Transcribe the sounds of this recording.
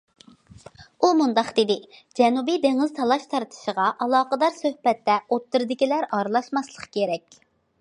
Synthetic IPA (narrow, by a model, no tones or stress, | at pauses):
umund̪ɑqd̪ɪd̪ɪd͡ʒɛnubijd̪eŋɪzt̪ʰɑlˠɑʃt̪ʰɑɾt̪ʰɨ̥ʃəʁɑʔɑlˠɑːqəd̪ɑɾsøhbɛt̪ːɛot̪ːɨɾɨd̪ɪkʲilæɾɑɾlˠɑʃmɑslˠəqkʰʲeɾɛkʲ